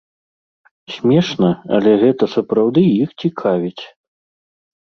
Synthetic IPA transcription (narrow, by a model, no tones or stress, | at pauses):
sʲmʲɛʂnɐɐ̰lʲɛɣɛt̪ɐsɐpɾawd̪ɨjixt͡sʲikʰavʲit͡sʲ